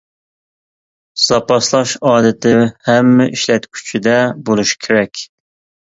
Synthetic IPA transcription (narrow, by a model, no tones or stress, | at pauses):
z̥ɑpɑslˠɑʃɑːd̪ɨt̪ʰɪhɛmːɪʔiʃlɛt̪kʲʰy̥t͡ʃʰid̪ɛbolˠuʃkʲʰeɾɛkʲ